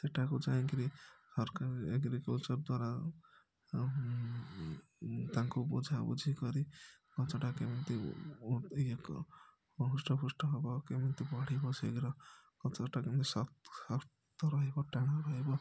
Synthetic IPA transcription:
t̪eʈakud͡ʒaiŋkiɾisɔɾkaɾieɡɾikɔlt͡ʃɔɾd̪waɾa | t̪aŋkubṵd͡ʒʱabṵd͡ʒʱikɔɾikɔt͡ʃɔʈakemɔnt̪ḭ | k | ɦusʈɔbusʈɔɦɔbɔkemɔnt̪ibɔɽ̤ibɔsḛɡɾɔkɔt͡ʃɔʈakent̪isɔsɔɾtt̪ɔɾɔɦebɔʈeɽ̃aɾɔɦebɔ

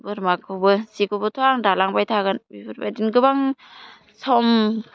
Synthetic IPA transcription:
bɯɾmakʰɯbɯsikubɯtʰuaŋdalaŋbajtʰaɡɯnbibɯɾba̰jdinɡɯbaŋ | sɔm

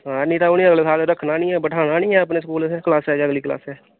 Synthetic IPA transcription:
ɦãːnĩːt̪aːʊnĩːəɡleːsaːlɾəkʰːnaːnĩːɛːbəʈʰaːnaːnĩːɛːəp̬neːsəkuːlːkəlaːsɛːd͡ʒəɡliːkla̰ːsɛː

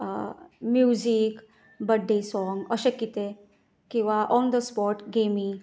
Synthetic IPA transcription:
mjuzik | bəɖːisɔŋɡəɕekːit̪e | kĩw̃ʋaʔɔnd̪əspɔɾʈɡʱemi

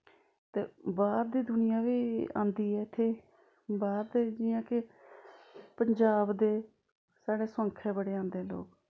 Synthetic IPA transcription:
t̪ḛːbaːɾd̪iːd̪ʊnɪjãːʋiːã̰ːnd̪iːɦɛːɪt̪ʰːeː | baːɾd̪eːd͡ʒɪːãːkɪ | pəɲd͡ʒaːbd̪eː | saːɽeːsʊə̃ːŋkʰɛːbəɽeːãːnd̪eːlo̰ːk

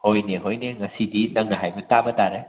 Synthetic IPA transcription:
hojneɦojneŋɐsidinɐŋnɐɦajbɐtabɐtaɾe

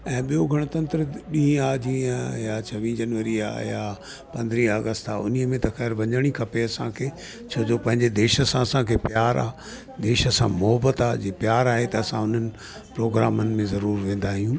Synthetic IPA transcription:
ɛ̃ːɓijoɡʱɐɽ̃ʊt̪ɐ̃nt̪ɾəɗĩːaːd͡ʑĩːajaːt͡ɕʰɐʋĩːd͡ʑɐnʋəɾia̰ːjaː | pɐ̃nd̪ʱɾiːɦɐɡəst̪aːʊ̰n̤iəmẽt̪ɐxɛːɾʋɐ̃ɲəɽ̃ikʰɐpeɐsãkʰeː | t͡ɕʰɐːd͡ʑoːpɐ̃ɦɪ̃ɲd͡ʑed̪eːʃə̆sãɐsãkʰeːpjaːɾa̰ː | d̪eːʃəsã̰mʊɦəbət̪aːd͡ʑeːpjaːɾaːɦet̪ɐːsãʊn̤ənɪ̆ | pɾoːɡɾaːmənɪ̆mẽzɐɾuːɾʋẽːn̆d̪aːɦijũː

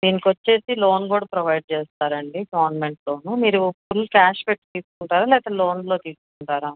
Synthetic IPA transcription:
d̪iːnikʋɐt͡ʃːe̞ːsilo̞ːnboːɾɖpɾɐʋɐjɖ̚t͡ʃeːst̪aːɾɐɳɖiɡɐʋɐɾnɐme̞ɳʈlo̞ːnuːmiːɾupuɾlukʲaːʃpeʈːt̪iːskuɳʈaːɾaːlɛːt̪ɐlo̞ːnlo̞ːt̪iːskuɳʈaːɾaː

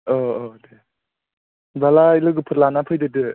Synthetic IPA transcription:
ɔɔde | balailɯɡɯpʰɯtlanapʰɯjdɯdɯ

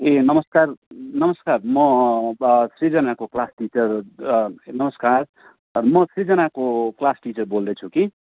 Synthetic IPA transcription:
enʌmʌskarnʌmʌskarmʌ | srid͡zʌnakoklasʈit͡sʌr | nʌmʌskar | mʌsrid͡zʌnakoklasʈit͡sʌrbold̪ʌt͡sʰuki

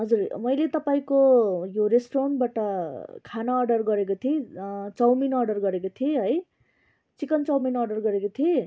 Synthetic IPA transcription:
ɦʌd͡zurmʌjlet̪ʌpaĩkojoɾesʈɾaɳʈbaʈʌkʰanʌːrɖʌrɡʌɾekot̪ʰiet͡sʌwminʌrɖʌrɡʌɾekot̪ʰieɦʌj | t͡sikʌnt͡sʌwminʌrɖʌrɡʌɾekot̪ʰie

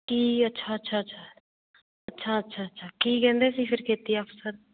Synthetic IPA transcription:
kiːətːʃʰaːətːʃʰaːətːʃʰa | ətːʃʰaːətːʃʰaːətːʃʰaːkiːkɛ̃ːnd̪eːsiːpʰɪɾkʰeːt̪iɛəpsəɾ

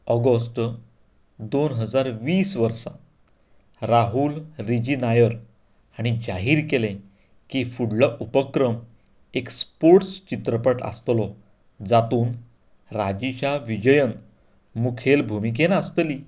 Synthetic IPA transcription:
ɔɡəsʈ | d̪onɦəd͡zaɾʋiːsʋəɾsa̰ | ɾaɦulɾid͡ʑinajəɾ | aɽ̃id͡ʑaɦiːɾkelẽ | kifuɽlɔʔupəkɾəm | ekspoɾʈst͡ɕit̪ɾəpəʈə̰st̪lɔ | d͡zat̪uːn | ɾad͡ʑit͡ɕaʋid͡ʑəjən | mukʰelbʱumik̬enast̪liː

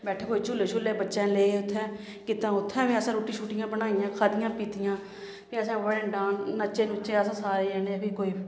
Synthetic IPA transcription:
bɛːʈʰeːkoːt͡ʃʊlːeːʃʰʊlːeːbətːʃɛ̃ːleːʊt̪ʰːɛ̃ː | kɪt̪ãːʊt̪ʰːɛ̃ːʋẽːəsãːɾoːʈiːʃuːʈɪjãːbənaːijãːkʰaːd̪ɪjãːpiːt̪ɪjãː | pẽːəsãːʋəɽəɳɖãːnnət͡ʃeːnʊt͡ʃːeːəsãːsaːɾeːɛːneːpiːkoːiː

